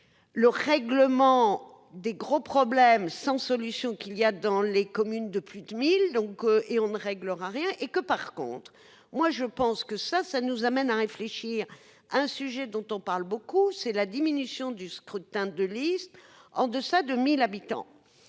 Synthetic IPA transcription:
ləʁɛɡləmɑ̃ | d̪eɡʁopχɔblɛmsɑ̃sɔlysjɔ̃kʲiljad̪ɑ̃lekɔmynd̪əplyd̪mild̪ɔ̃kʔeɔ̃nəʁɛɡləʁaʁjɛ̃ʔekəpaʁkɔ̰̃t̪χ | mwaʒəpɑ̃skəsasanuzamɛnaʁefleʃiʁ | aɛ̃syʒɛd̪ɔ̃t̪ɔ̃paʁlbokusɛlad̪iminysjɔ̃d̪yskχyt̪ɛ̃d̪əlist̪ɑ̃d̪əsad̪əmilabit̪ɑ̰̃

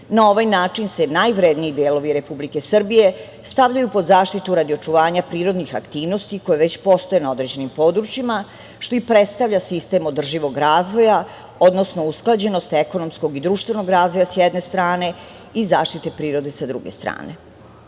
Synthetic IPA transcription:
nao̞ʋajnaːt͡ʂinse̞najʋɾed̪niːd̪eːlo̞ʋiɾe̞publike̞sr̩bije̞ | st̪aʋʎajupo̞d̪zaːʃt̪it̪uɾad̪io̞t͡ʂuʋaːɲapɾiːɾo̞d̪nixa̰kt̪iːʋno̞st̪iko̞jeʋe̞t͡ɕpo̞st̪o̞jenao̞d̪ɾe̞d͡ʑe̞nimpo̞ːd̪ɾut͡ɕima | ʃt̪o̞ipɾet̪st̪aʋʎasist̪e̞mod̪r̩ʒiʋo̞ɡɾaːzʋo̞ja | od̪no̞sno̞usklˠad͡ʑe̞no̞st̪e̞ko̞no̞msko̞ɡid̪ɾuːʃt̪ʋe̞no̞ɡɾaːzʋojasjɛd̪ne̞st̪ɾaːne̞ | izaːʃt̪it̪e̞pɾiːɾo̞d̪e̞sad̪ɾṵɡest̪ɾa̰ːne̞

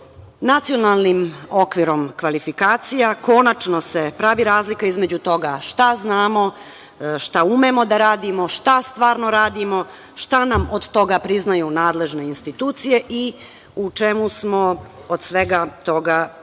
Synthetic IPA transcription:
nat̪sijo̞nalˠnimo̞kʋiɾo̞mkʋalifikaːt̪sijako̞nat͡ʃno̞se̞pɾaʋiɾaːzlikaizme̞d͡ʑut̪o̞ɡaʃt̪aznaːmo̞ | ʃt̪aumemo̞d̪aɾaːd̪imo̞ʃt̪ast̪ʋaːɾnoɾaːd̪imo | ʃt̪anamod̪t̪o̞ɡapɾiznajunaːd̪le̞ʒne̞inst̪it̪uːt̪sije̞ʔi | ut͡ʃemusmo̞od̪sʋe̞ɡat̪o̞ɡa

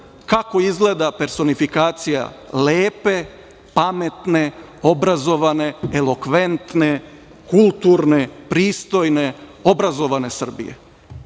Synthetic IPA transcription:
kako̞izɡleːd̪ape̞ɾso̞nifikaːt̪sija̰leːpe̞ | pame̞t̪ne̞ | o̞bɾazo̞ʋane̞elo̞kʋe̞nt̪ne̞ | kulˠt̪uɾne̞pɾiːst̪o̞jne̞o̞bɾazo̞ʋane̞sr̩bḭjḛ

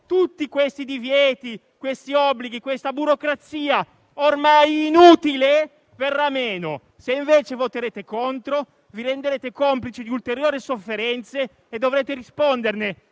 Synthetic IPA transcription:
t̪ut̪ːikwest̪id̪ivjɛːt̪i | kwest̪iɔbːliɡikwest̪abuɾokɾat̪siːa | ormajːnuːt̪ile | verːameːno | seiɱveːt͡ʃevot̪eɾeːt̪ekont̪ɾo | viɾend̪eɾeːt̪ekomplit͡ʃid̪iult̪eɾjoːɾisofːeɾɛnt̪seː | d̪ːovɾeːt̪eɾispond̪erne

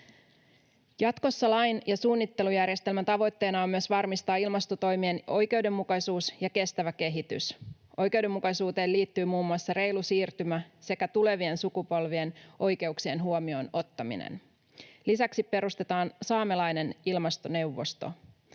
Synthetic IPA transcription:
jɑt̪ko̞sːɑlɑjnjɑsuːnːit̪ːe̞lujærje̞st̪e̞lmænt̪ɑʋo̞jt̪ːe̞ːnɑomːyøsʋɑrmist̪ɑːilmɑst̪o̞t̪o̞jmieno̞jke̞ude̞mːukɑsuːsjɑke̞st̪æʋæke̞ɦit̪y̰s | ʔo̞jke̞uwde̞mːukɑjsuːt̪e̞ːliːt̪ːyːmuːmːuɑsːɑre̞jlusiːrt̪ymæse̞kæt̪ule̞ʋie̞nsukupo̞lʋie̞nʔo̞jke̞uksie̞nɦuomio̞no̞t̪ːɑmḭnḛn | lisæksippe̞ɾust̪e̞t̪ɑːnsɑːmelɑjne̞nilmɑst̪o̞ne̞uʋːo̞st̪o̞̰

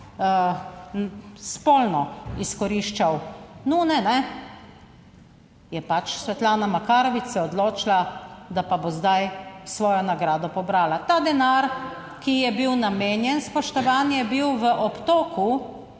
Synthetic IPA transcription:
spoːlnɔiskɔɾiʃt͡ʃawnɔnɛnɛ | jɛpat͡ʃsʋɛt̪laːnamakaːɾɔʋisɛɔd̪loːt͡ʃlad̪apabozd̪ajsʋɔːjɔnaɡɾaːd̪ɔpɔbɾaːlat̪aːd̪ɛnaɾ | kijɛbiwnameːnjɛnspɔʃt̪ɔʋaːnjɛbiwʋəʔɔpt̪oːku

